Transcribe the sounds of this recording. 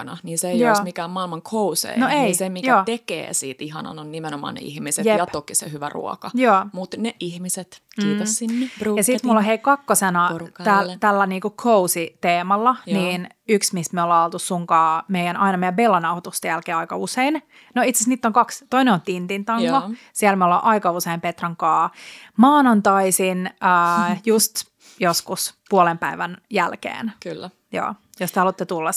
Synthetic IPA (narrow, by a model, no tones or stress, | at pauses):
nɑ̰niːnseejoːsmikæːmmɑilmɑŋkʰousḛjnoeisemijæoːt̪ekḛːsḭːt̪iɦɑ̰nɑ̰nonnimenomɑ̰ːnḛḭhmisetjejɑtp̪okisḛhyʋæ̰rṵɔ̰kɑjoːmut̪neʔihmiset̪kiːt̪ɑssinːejɑsit̪mulːoɦeikɑkːosenɑt̪ælt̪ælːæniːkukʰousit̪eːmɑlːɑniːn | yksmismiolːɑolt̪ussuŋkɑːmeijænɑinɑmeijæbelːɑnɑwhot̪ust̪ejælkeːɑikɑusein | noit̪sesniːt̪ːoŋkɑkst̪oineont̪int̪int̪ɑŋːo | siælmeolːɑ̰ːʔɑikɑuseimpet̪rɑŋkɑːmɑːnont̪ɑisinəːjust̪ | joskuspuolempæiʋænjæ̰lkḛːnkː | jo̰ː | jost̪ehɑlut̪ːet̪ulːɑs